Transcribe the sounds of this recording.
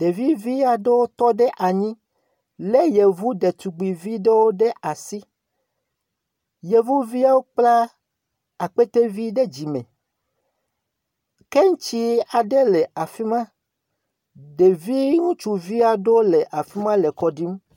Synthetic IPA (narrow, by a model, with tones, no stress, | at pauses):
ɖ̥e˨vi˦vi˦a˨ɖe˦wo˦t̪ɔ˦ɖe˦ʔa˨ɲĩ˦ | le˦je˨vu˦ɖe˨t̪u˨ɡ͡bi˨vi˦ɖe˦wo˦ɖe˦ʔa˨si˦ | je˨vu˦vi˦a˦wo˦k͡pla˦ | a˨k͡pe˦t̪e˦vi˦ɖe˦d͡ʑi˨mḛ̃˨ | ke˦ŋ̩˦t͡ʃi˦a˨ɖe˦le˨a˨fi˦mã˦ | ɖe˨vi˦ŋũ˦t͡ʃu˨vi˦a˨ɖo˦le˨ʔa˨fi˦mã˦le˨kɔ˨ɖi˦m